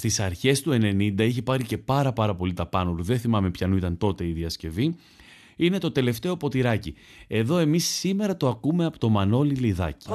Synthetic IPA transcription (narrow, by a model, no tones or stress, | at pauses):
st̪isɐɾçe̞st̪ue̞ne̞nind̪ɐiçepɐɾice̞pɐɾɐpɐɾɐpo̞lit̪ɐpɐnoluðe̞nθimɐme̞pçɐnuit̪ɐnt̪o̞t̪e̞iðiɐsce̞vi | ine̞t̪o̞t̪e̞le̞ft̪e̞o̞po̞t̪iɾɐci | e̞ðo̞e̞misːime̞ɾɐt̪oɐkume̞ɐpot̪o̞mɐno̞liliðɐ̰ci̥